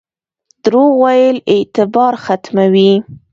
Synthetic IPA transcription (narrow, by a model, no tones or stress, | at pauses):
d̪ɾowajəlɪt̪ɪbɑɾxat̪mawi